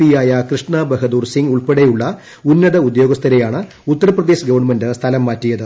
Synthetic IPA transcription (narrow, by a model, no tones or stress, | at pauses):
ijaːjɐkrɨʂɳɐbɐɦɐd̪uːrsiŋɡuɭpeɽejuɭːɐ | unːɐðɐud̪jo̞ːɡɐst̪ʰɐɾejaːɳɨ | ut̪ːɐɾɐprɐðe̞ːɕɡɐʋɐɳmɐndɨst̪ʰɐlɐmːaːtːijɐðɨ